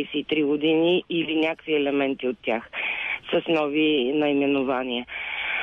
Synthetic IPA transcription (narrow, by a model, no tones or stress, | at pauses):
jsɛit̪ɾiɡod̪iniːlinʲakviɛlɛmɛnt̪iot̪ːʲaxsəsnɔvinɐimɛnʊvaniə